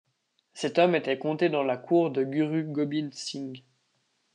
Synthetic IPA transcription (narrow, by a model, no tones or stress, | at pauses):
sɛt̪ɔmet̪ɛkɔ̃t̪ed̪ɑ̃lakʰuːʁd̪əɡʲyʁyɡɔbinsiŋɡ